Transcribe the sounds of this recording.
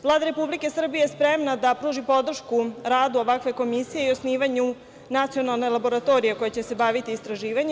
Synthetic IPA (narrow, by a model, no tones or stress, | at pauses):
ʋlˠaːd̪aɾe̞publike̞sr̩bijeespɾemnad̪apɾuːʒipo̞d̪r̩ʃkuɾaːd̪uo̞ʋakʋe̞ko̞misije̞iosniːʋaɲu | nat̪sijo̞nalˠne̞labo̞ɾat̪o̞ɾije̞ko̞jet͡ɕe̞se̞baʋit̪iːst̪ɾaʒiːʋaɲe